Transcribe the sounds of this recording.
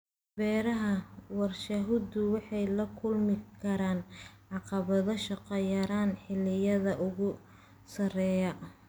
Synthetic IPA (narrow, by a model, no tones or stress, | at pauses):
b̥ɛːɾɐɦɐwɑrʃɐɦʊd̪ʊwɑħɑjlɐkʰʊlmɪkʰɐɾaːnʕɑqɑβɐðɐʃɑqɐjɐɾaːnħɪlːɪjɐðɐʔʊɣʊ | sɐrɛːjɐ